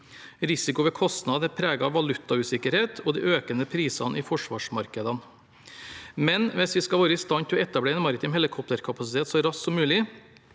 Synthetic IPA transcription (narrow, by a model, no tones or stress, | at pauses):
ɾɪsɪkʊʋɛkʰɔst̪nɑd̪ɛpʰɾæːɡɑʋɑlʉt̪ːɑʉːsɪkəɾheːt̪ʰɔd̪iːʔøːkənəpʰɾiːsɑnʔɪfɔʂʋɑːʂmɑɾkəd̪ɑn | mɛnʋɛsʋɪskɑʋoːɾəɪst̪ɑnt̪ʰɪlɔɛt̪ːɑbleːeːnmɑɾɪt̪ʰɪmhɛlɪkʰɔp̚t̪əɾkʰɑpɑsɪt̪eːt̪sɔɾɑssɔmːʉːlɪ